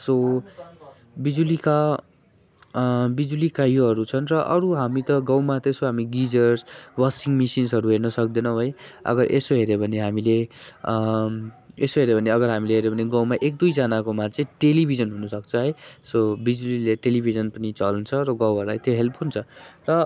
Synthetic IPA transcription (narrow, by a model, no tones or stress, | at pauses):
so | bid͡zulika | bid͡zulikajoɦʌɾut͡sʰʌnrʌʔʌɾuɦamit̪ʌɡʌ̃wmat̪ʌesoɦamiɡid͡zʌrsbʌsiŋɡmisinsʌɾuɦernʌsʌk̚d̪enʌ̃ɦʌjʌ̰ɡʌɾʔesoɦeɾebʱʌneɦamile | esoɦeɾebʱʌneʌɡʌɾɦamileɦeɾebʱʌneɡʌ̃wmaʔek̚d̪ujd͡zanakomat͡sʌĩʈelibʱid͡zʌnɦunʌsʌk̚t͡sʰʌɦʌjsobid͡zulileʈelibʱid͡zʌnpʌnit͡sʌlnt͡sʰʌɾʌɡʌwɦʌɾula̰jt̪joɦelpɦunt͡sʰʌrʌ